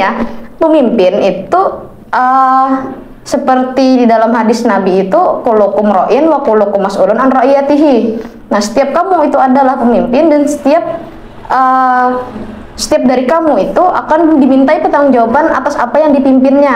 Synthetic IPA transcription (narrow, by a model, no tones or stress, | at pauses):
apəmimpɪnit̪u | ʔə | səpərt̪ididalamɦadɪsnabiːt̪ukolokumroʔɪnwakulokumasulʊnanroʔiat̪iɦi | nahsə̥t̪iap̚kamuit̪uadalahpəmimpɪndansə̥t̪iap̚ | ə | sə̥t̪iap̚daɾikamuit̪uʔa̰kandimint̪aipət̪aaŋd͡ʒawabanat̪asapajaŋdipimpɪnɲa